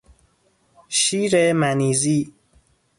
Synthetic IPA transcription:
ʃiːɾemæniːziː

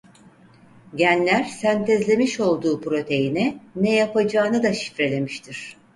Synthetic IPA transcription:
ɟænlʲæɾsænt̪ʰɛzlʲe̞miʃo̞lˠd̪uːpɾo̞t̪ʰe̞jinɛnɛjapad͡ʒaːnad̪aʃi̥fɾe̞lʲe̞miʃt̪ʰiɾ̥

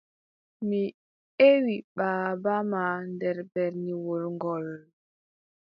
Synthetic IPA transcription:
mi | ewiɓaːbamandɛɾbɛɾniwolŋɡɔl

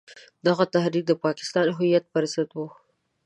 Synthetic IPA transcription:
d̪aɣat̪ahɾik̚d̪əpɑkɪ̥st̪ɑnɦʊjat̪̚pəɾasat̪wu

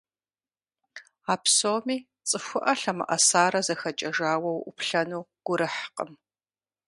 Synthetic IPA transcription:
aːpsoːmiː | t͡sʼɨxʷʊʔɐɬɐmɐ̰ʔɐsaːɾɐzɐxɐt͡ʃʼɐʒaːwɐwʔʷʊ̰pʰɬɐnuːɡ̥ʷʊɾɨħqʼəm

